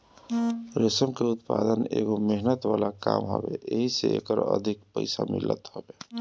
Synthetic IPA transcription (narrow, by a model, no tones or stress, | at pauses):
ɾesəmkeʊt̪pad̪əneɡomeɦnət̪walakamɦo̰beeɦiseḛkəɾə̰d̪ʱikpəɪsamɪlːət̪hobe